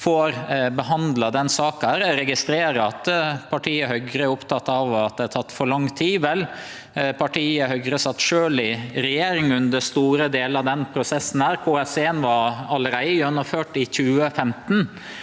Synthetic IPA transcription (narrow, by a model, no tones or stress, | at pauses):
foːɾbəɦɑnd̪lɑd̪ɛnsɑːkæɾɾɛɡɪst̪ɾeːɾəɑt̪pʰɑʈʰiːəhœɡɾəɾʊpt̪ʰɑt̪ːɑʋɑt̪̚d̪ɛæt̪ʰɑt̪ːfɔɾɭɑŋːt̪ʰiːʋɛl | pʰɑʈʰiːəhœɡɾəsɑt̪ːʃøːlɪɾɛjeːɾɪŋʉnd̪əst̪uːɾəd̪eːlɑʋd̪ɛnpʰɾʊsɛsːn̩hæːɾkʰoːɛseːnʋɑɾɑləɾæɪjœnːɔføːʈɪçʉːəfɛmt̪n